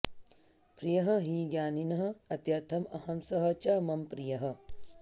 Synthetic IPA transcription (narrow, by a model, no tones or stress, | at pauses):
pɾijɐɦɐ̆ɦiːɡjaːninɐɦɐ̆ɐt̪jɐɾt̪ʰɐmɐhɐmsɐɦɐt͡ʃaːmɐmpɾijɐɦɐ̆